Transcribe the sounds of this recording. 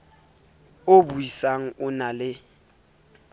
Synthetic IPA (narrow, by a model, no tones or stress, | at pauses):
obuisaŋ̩ʊnalɪ